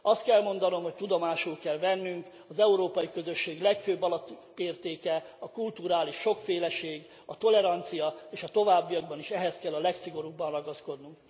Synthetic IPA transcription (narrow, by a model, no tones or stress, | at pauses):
ɒst̪kɛlmo̞n̪d̪ɒno̞mho̞ct̪ud̪o̞maːʃulkɛlvɛnːyŋk | ɒzɛuɾoːpɒjikø̞zø̞ʃːeːɡlɛkføːbːɒlɒt̪ː | eːrt̪eːkɛɒkult̪uɾaːliʃːo̞kfeːlɛʃeːɡ | ɒt̪o̞lɛɾɒnt̪sijɒeːʃɒt̪o̞vaːbːijɒɡbɒniʃɛɦɛskɛlːɒlɛksiɡo̞ɾuːbːɒnrɒɡɒsko̞d̪nuŋk